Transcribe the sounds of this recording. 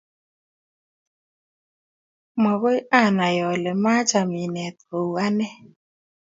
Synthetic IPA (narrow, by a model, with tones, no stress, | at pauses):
mɔ˨ɣɔ˦i˦a˦˨na˨jɔ˨lɛ˨ma˦t͡ʃa˨mi˨nɛ˨t̪o˨wa˦nɛ˦